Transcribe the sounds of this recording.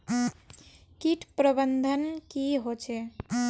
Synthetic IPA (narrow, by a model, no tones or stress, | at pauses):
kiʈʰpɾəbənd̪ʱənkiɦot͡ʃʰe